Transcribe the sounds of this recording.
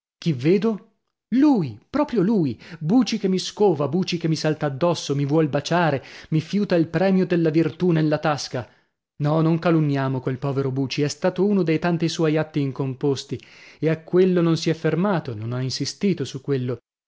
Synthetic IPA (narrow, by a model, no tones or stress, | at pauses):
k̟ivːeːd̪o | luːjpɾɔːpɾjoluːjbuːt͡ʃikemːiskoːvabuːt͡ʃik̟emːisalt̪aːd̪ːɔsːomivwɔlbat͡ʃaːɾemifjuːt̪ailpɾɛːmjod̪elːavirt̪unelːat̪aska | nɔnoŋkalunːjaːmokwelpɔːveɾobuːt͡ʃiɛst̪aːt̪ouːnod̪ejt̪ant̪iswɔjat̪ːiːŋkompost̪ieakːwelːononsiɛfːermaːt̪ononainsist̪iːt̪osukːwelːo